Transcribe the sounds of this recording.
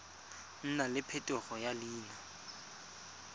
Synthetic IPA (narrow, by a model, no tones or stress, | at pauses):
n̩nalɪpʰɛtʼʊɣɔjaliːna